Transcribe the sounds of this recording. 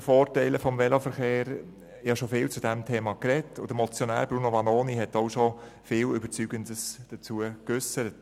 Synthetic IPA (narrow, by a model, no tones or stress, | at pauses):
foːɾtɛɪləfɔmʋɛlofəɾχeːɾ | jɑʃofɪːlt͡sud̥ɛmtʰeːmɑkɾɛtʰːʊd̥əmɔt͡sjonæ̰ːɾb̥ɾunoʋɑnoːniɦɛtoʊʃo | fɪːlʏbəɾt͡syːɡəndəsd̥ət͡suəkøsəɾət